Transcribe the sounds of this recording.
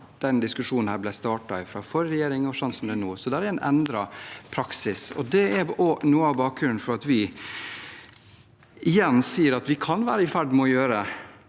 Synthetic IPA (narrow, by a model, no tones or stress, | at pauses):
d̪̥ɛnd̪ɪskʉʂuːnn̩hæːblæɪst̪ɑːʈɑɪfɾɑːfɔɾɾɛjeːɾɪŋɔsɔnt̪sɔmd̪ɛænuːsɔd̪ææɾæɾænʔɛ̰nd̪ɾɑpʰɾɑksɪsɔ̰d̪ɛɛɾonuːəɑʋbɑːkɾʉɾnfɔɾɑt̪ʋɪ | ʔɪjɛnːsiːəɾɑt̪ʋɪkʰɑnʋæːɾəɪfæɖmɛɔjøːɾə